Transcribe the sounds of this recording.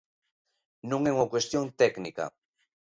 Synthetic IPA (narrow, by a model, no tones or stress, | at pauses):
nuŋeŋokwest̪jont̪eknika̰